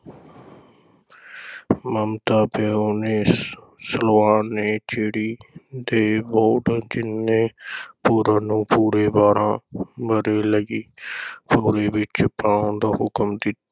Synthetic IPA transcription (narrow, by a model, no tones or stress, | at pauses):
məmt̪aːpeonẽː | səlʋaːnneːt͡ʃʰeːɽiːd̪eːboːɖd͡ʒɪnːẽːpuːɾãːnũːpuːɾeːbaːɾãːbəɾeːləɡiːpʰoːɾeːʋɪt͡ʃpãːõːd̪aːɦʊkəmd̪ɪt̪ː